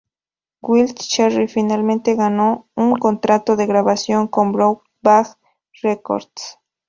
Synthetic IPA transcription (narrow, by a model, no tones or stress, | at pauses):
ɡwiltt͡ʃeɾifinalmẽnt̪eɣanouŋkont̪ɾat̪oðe̞ɣɾaβasjoŋkombɾo | bax | reko̰ɾd̪s